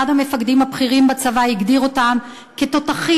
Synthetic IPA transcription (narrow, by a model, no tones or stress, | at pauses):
adhame̞faɡd̪imhapχiʁimbat͡savaiɡd̪iʁo̞tam | ket̪o̞taχi